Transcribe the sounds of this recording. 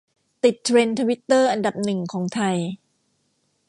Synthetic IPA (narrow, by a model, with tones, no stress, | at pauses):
t̪i˨˩t̪ʰːɾe˧nt̪ʰa˧wi˦˥t̪ːɤː˥˩ʔa˧nda˨˩p̚nɯ˨˩ŋkʰɔː˩˦ŋt̪ʰa˧j